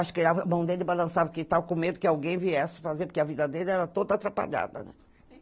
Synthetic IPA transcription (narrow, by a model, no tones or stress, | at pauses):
aʃʊ̥kɪaamɐ̃w̃d̪elɪbalɐ̃savɐkɪt̪avɐkõmed̪ʊkɪawɡẽj̃viɛsɪ̥fazeɾpʊɾkeɐvid̪ɐd̪elɪɛɾɐt̪od̪ɐat̪ɾapa̰ʎa̰d̪ɐ̰nɛ̰